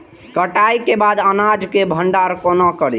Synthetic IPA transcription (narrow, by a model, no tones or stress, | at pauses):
kəʈaikebad̪ənad͡ʒkebʱəɳɖaɾkonakəɾi